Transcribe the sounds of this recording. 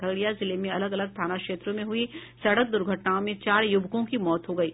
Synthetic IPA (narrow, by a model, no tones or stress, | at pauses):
əɡɽijazɪlemẽɐləɡɐləɡ̚t̪ʰaːnakʃeːt̪ɾõmẽɦʊisɐɽək̚d̪ʊɾɡʱəʈnaõmẽt͡ʃaːɾjʊbʱkõkimɔːt̪ɦoɡɐiː